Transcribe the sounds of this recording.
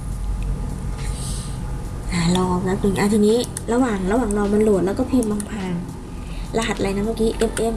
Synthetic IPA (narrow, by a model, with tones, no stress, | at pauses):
ʔaː˨˩lɔː˧˩a˧˥pi˧˩ŋʔaː˧˩t̪ʰi˧niː˦˥ | ɾa˧waː˨˩ŋla˧waː˨˩ŋlɔː˧ma˧nlu˨˩ət̪lːwkɔː˥˩pʰi˧˩mba˧ŋpʰaː˧ŋ | la˧ha˨˩˧la˧jna˦˥maː˧˩kiː˦˥ʔe˧˩mʔe˧˥˨m